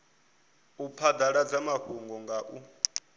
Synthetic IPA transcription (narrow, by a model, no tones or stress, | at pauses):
upʰad̪aɺad͡zamaɸuŋɡɔŋɡaʔu